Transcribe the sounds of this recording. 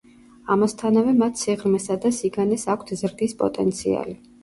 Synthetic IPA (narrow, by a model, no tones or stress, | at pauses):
amast̪ʰanavɛmat̪ʰsiʁɾmɛsad̪asiɡanɛsakʷʰt̪ʰzɾd̪ispʼɔ̰t̪ʼɛ̰nt̪sʰia̰li